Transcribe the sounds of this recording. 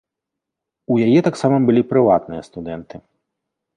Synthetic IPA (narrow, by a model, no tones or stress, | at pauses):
ujajɛt̪aksamɐbɨlʲipɾɨvat̪nɨjɐst̪ud̪ɛnt̪ɨ